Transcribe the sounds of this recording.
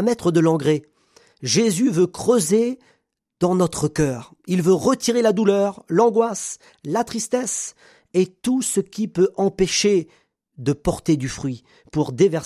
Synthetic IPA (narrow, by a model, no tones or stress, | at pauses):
mɛt̪χəd̪əlɑ̃ɡʁe | ʒezyvøkχøze | d̪ɑ̃nɔt̪χəkʲœːʁ | ilvøʁət̪iʁelad̪ulœʁlɑ̃ɡwas | lat̪χist̪ɛs | et̪usəkʲipøʔɑ̃peʃe | d̪əpɔʁt̪ed̪yfχɥi | puʁd̪evɛʁ